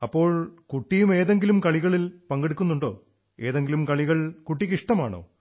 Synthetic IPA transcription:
ɐpːo̞ːɭkuʈːijume̞ːðe̞ŋɡilumkɐɭiɣɐɭilpɐŋɡeɽukːunːuɳɖo̞̰ː | e̞ːðe̞ŋɡilumkɐɭiɣɐɭkuʈːikiʂʈɐma̰ːɳo̰ː

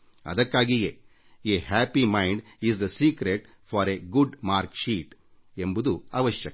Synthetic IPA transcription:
ɐ̰d̪ɐkːaːɡije | eɦæːpimɐjɳɖ | izd̪ɐsiːkɾeʈ | fʰɔːɾeɡuɖmaːɾkʃiːʈ | embud̪uɐʋɐʃjɐk

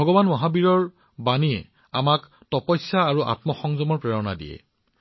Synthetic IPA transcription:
ɔɡɔbanmɔɦabiɹɔɹ | baniɛ̰ | a̰mak | tɔpɔjsaːɹuʔa̰tmɔxɔŋzɔmɔɹpɹɛɹɔna̰dḭjɛ̰

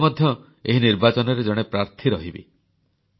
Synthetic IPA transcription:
mɔd̪ʱjɔ | eɦiniɾbat͡ʃɔnɔɾed͡ʒɔɽ̃epɾaɾt̪ʰiɾɔɦibḭ

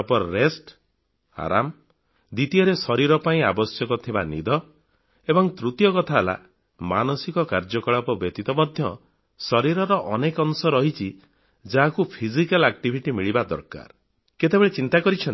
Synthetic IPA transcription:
pɔɾɔɾesʈ | a̰ɾa̰m | d̪it̪ijɔɾesɔɾiɾɔpaĩabɔsjɔkɔt̪ʰibanḭd̪ɔ | ebɔŋt̪ɾut̪jɔkɔt̪ʰaːla̰ | manɔsikɔkaɾd͡ʒɔkɔɭapɔbjɔt̪it̪ɔmɔd̪ʱjɔ | sɔɾiɾɔɾɔʔɔnekɔnsɔɾɔɦit͡ʃʰi | d͡ʒaɦakupʰizikalak̚ʈibʱiʈimiɭibad̪ɔ̰ɾka̰ɾ | ket̪ebeɭet͡ʃint̪akɔɾit͡ʃʰɔn

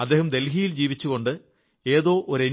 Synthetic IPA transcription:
ɐd̪ːe̞ːɦɐmd̪e̞lɦijild͡ʑiːʋit͡ɕːuɣo̞ɳɖɨ | e̞ːðo̞ːʔoɾen

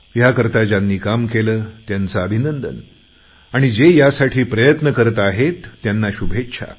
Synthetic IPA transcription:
jakəɾt̪ad͡ʑanːiːkamkeləːt̪jant͡saəbʱinənd̪ə̰n | aɽ̃id͡zejasaʈʰiːpɾəjət̪nəkəɾət̪aɦet̪ːjanːaɕubʱetɕʰa̰

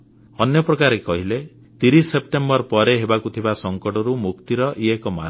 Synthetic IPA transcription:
ɔnjɔpɾɔkaɾekɔɦile | t̪iɾisːepʈembɔɾpɔɾeɦebakut̪ʰibasɔŋkɔʈɔɾumukt̪iɾɔʔiekɔma̰

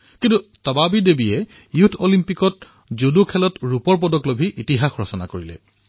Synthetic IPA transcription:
kintutɔbabidebijɛ | jutʰolimpikɔt | zodukʰɛlɔtɹupɔɹp̬ɔdɔklobʱiʔitiɦaxɹɔsɔna̰koɹilɛ̰

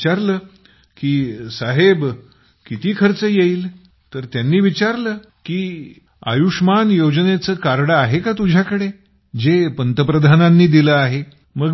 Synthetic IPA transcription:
aɾləː | kiːsaɦeb | kit̪iːkʰəɾt͡səjeiːl | t̪əɾt̪janːiːʋit͡ɕaɾləː | kiː | a̰juʂmanjod͡ʑnet͡səːkaɾɽəaɦekat̪ud͡ʑʱjakəɽe | d͡zepənt̪əpɾəd̪ʱananːiːd̪iləaɦe | məɡ

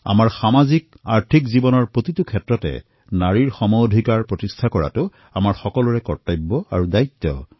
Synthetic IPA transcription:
a̰maɹxamazik̚ | a̰ɹtʰikzibɔnɔɹpɹotitukʰɛtɹɔtɛ̰ | naɹiɹxɔmodʱikaɹpɹotistʰakɔɹa̰tʊ | amaɹxɔkɔlʊɹɛkɔɹtajbːɔaɹudajt̪ːɔ̰

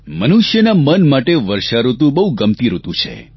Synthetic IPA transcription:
mənuʃjənamənmaʈeʋəɾʃaɾut̪ũbəɦuɡəmt̪iɾut̪ũt͡ʃʰḛ

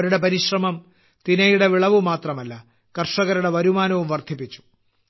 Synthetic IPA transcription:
ɐɾuɽe̞pɐɾiɕrɐmɐm | t̪inɐjuɽe̞ʋiɭɐʋumaːt̪rɐmɐlːɐ | kɐrʂɐɣɐɾuɽe̞ʋɐɾumaːnɐʋumʋɐrd̪ʱipːit͡ɕːu̥

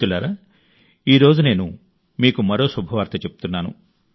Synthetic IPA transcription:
ulːaːɾa | iːɾo̞ːd͡ʒune̞ːnu | miːkumɐɾo̞ːsubʱɐʋaːɾt̪ɐt͡ʃepu̥t̪unːaːnṵ

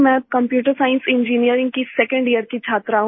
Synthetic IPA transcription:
mɛ̃kɐ̃mpjuːʈəɾsaːɪ̃nsɪ̃nd͡ʒiːnijəɾɪ̃ŋɡkisɛkə̃ɳɖijəɾkit͡ʃʰaːt̪ɾaɦũ

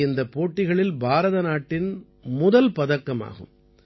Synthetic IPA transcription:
ɪnd̪ɐpːoːʈːɪɣɐɭɪlbʱaːɾɐðɐnaːʈːɪn | mʊðɐlpɐðɐkːɐma̰ːɣɯ̰m

